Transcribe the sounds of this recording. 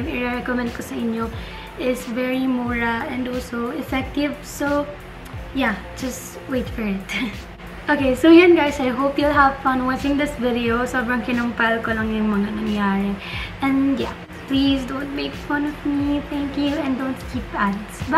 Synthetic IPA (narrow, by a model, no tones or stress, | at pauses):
ŋɪɹɛɹɛkomɛ̃nd̪̚kosɐʔɪɲjo | ʔɪsvɛɹimɔɹaɛ̃nd̪ɔlsoɪfɛk̚t̪ɪvso | jad͡ʒ̥ɐst | wejt̪fɔɹɪt̪ | ʔokejsojãnɡajsajɦoʊpjulɦɐvfʌ̃nwɑt͡ʃɪ̃ŋd̪ɪsvɪd̪ɛosɔbɹɐ̃ŋkɪnʊŋpɐlkolɐŋjʊŋmɐŋanɐŋjaːɹɪʔɛ̃nja̰ | plisd̪õʊ̃nt̪̚meɪkfʌ̃nɔvmiθɛ̃ŋkjuɛ̃nd̪õnt̪kʰipadsbɐ